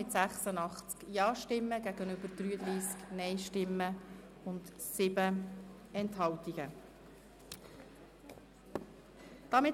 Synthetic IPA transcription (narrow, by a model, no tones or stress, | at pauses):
ɪt̪sæχsənɑχt͡skjɑːʃtɪmːəɡ̥æɡənʏbəɾd̥ɾyːəd̪ɾiːsknɛɪʃtɪmːə | ʊntsɪb̥ə | ɛnthɑltiɡ̥ə | d̥ɑmɪ